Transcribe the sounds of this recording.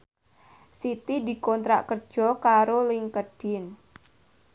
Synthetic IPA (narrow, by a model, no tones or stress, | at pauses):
sit̪idi̤kɔnt̪ɾa̰ʔkərd̥d͡ʒʒ̥ɔ̤kaɾolɪŋkədɖ̥ɪn